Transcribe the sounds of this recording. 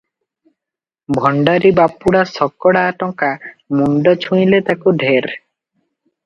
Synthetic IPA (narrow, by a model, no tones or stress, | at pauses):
bʱɔɳɖaɾibapːuɽasɔkːɔɽaːʈɔŋkamuɳɖɔt͡ʃʰũj̃let̪akuɖʱeɾ